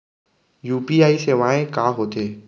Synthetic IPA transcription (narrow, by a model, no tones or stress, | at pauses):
juːpiːaːiseːʋãːẽkaːɦoːt̪eː